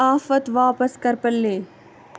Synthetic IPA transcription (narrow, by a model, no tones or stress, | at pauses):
aːfət̪ʋaːpəskɐɾpɐlːeː